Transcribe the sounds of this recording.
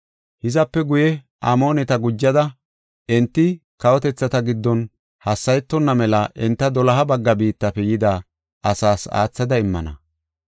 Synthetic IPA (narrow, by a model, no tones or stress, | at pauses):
hɪzɐpːɛɡʊjɛ | ʔaːmo̞ːnɛt̪ɐɡʊd͡ʒːɐd̪ɐ | ɛnt̪ːɪkɐwɔt̪ɛt͡sːɐt̪ɐɡɪd̪ːɔn | hɐsːɐjɛt̪ːɔnːɐmɛlɐʔɛnt̪ːɐd̪ɔlɐɦɐbɐɡːɐbiːt̪ːɐpɛjɪd̪aː | ʔɐsaːsa̰ːt͡sːɐd̪ɐɪmːɐnɐ̰